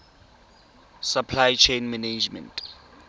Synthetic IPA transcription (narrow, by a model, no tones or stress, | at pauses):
sapʰlajt͡ʃʰẽnmaned͡ʒmɛ̰̃nt